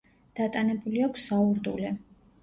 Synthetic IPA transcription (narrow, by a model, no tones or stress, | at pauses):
d̪̥at̪ʼanɛbuliakʷʰsauɾd̪ṵlɛ